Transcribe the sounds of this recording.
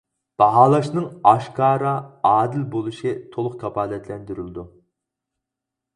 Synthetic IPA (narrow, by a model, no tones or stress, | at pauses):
b̥ɑɦɑːlˠɑʃnɨŋɑʃkʰɑːɾɑɑːd̪ɪlbolˠuʃit̪ʰolˠʊqkʰɑpʰɑːlˠɛt̪ʰlɛnd̪yɾylɪd̪u